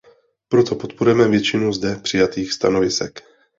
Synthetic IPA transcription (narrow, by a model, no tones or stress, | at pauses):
pɾot̪o̞pot̪̚poɾujɛmɛvjɛt͡ʃɪnuzdɛpr̥ɪjat̪iːxst̪a̰no̞vɪsɛ̰k